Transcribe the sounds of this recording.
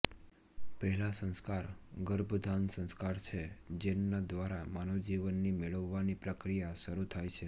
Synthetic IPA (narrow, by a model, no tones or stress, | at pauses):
pəɦɛlasə̃nskaɾɡəɾbʱd̪ʱansə̃nskaɾt͡ʃʰed͡ʒenːad̪ʋaɾamanod͡ʒiʋənːimeɭəʋːanipɾəkɾijaʃəɾut̪ʰajt͡ʃʰe